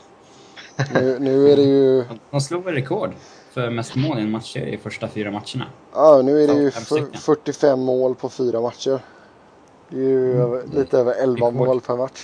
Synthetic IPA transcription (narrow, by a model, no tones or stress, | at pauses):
nʉ̟ːnʉ̟ːæɖɛjɵ̥ɔmsluːɾɛkʰoːɖ | fœɾmɛst̪moːlɛnmat̪ʂə̰ɾɪ̰fœʂʈafyːɾamat̪ʂəɳa̰ | ɑːnʉ̟ːæɖɛjɵffœʈːɪfɛmːoːlpʰɔfyːɾamat̪ʂəɾ | ɛjjøːvəliːt̪əøːvəɾɛlvamoːlpʰɛɾmat̪ʂ